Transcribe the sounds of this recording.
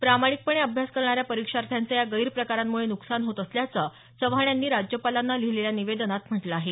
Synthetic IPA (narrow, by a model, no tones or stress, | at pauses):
pɾamaɽ̃ik̚pəɳeəbʱjaskəɾɳ̃aɾjapəɾikʂaɾt̪ʰjant͡səjaɡəiɾpɾəkaɾamːuɭenuksanɦot̪əsljat͡sə | səʋɦaɳjanːiːɾad͡ʑjəpalanːalileljaniʋed̪ənat̪m̤əʈləaːɦe